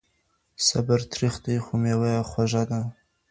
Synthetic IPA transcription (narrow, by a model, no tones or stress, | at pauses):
sabaɾt̪ʰɾixt̪əjxumewajaxwaʒad̪a